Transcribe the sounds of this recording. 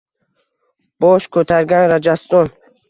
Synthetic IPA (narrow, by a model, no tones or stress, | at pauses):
b̥ɔʃkʰot̪ʰaɾɡanɾad͡ʒast̪ɔn